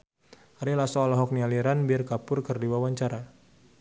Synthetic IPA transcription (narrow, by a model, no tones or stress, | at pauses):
aɾilasɔɔlɔɦɔk̚nialiɾanbiarkapʊrkərdiwawaɲt͡ʃaɾa